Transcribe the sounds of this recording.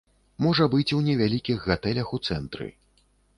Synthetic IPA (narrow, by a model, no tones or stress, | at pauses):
mɔʐɐbɨt͡sʲunʲɛvʲalʲikʲiɣɣat̪ɛlʲɐxut̪sɛnt̪ɾɨ̰